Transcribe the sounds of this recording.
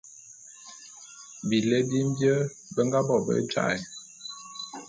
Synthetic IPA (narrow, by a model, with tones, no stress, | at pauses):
bi˨le˦bi˦m̩˦bjə˦ | bə˦ŋɡa˦bɔ˨bə̰˦t͡ʃa̰˦˨j